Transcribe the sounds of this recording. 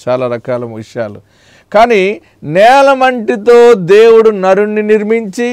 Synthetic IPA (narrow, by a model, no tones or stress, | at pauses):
t͡ʃaːlaːɾɐkaːlɐmɐʂjaːlṵ | kaːni | nɛːlɐmɐɳʈit̪oːd̪e̞ːwuɽunɐɾunːiniɾmiɲt͡ʃi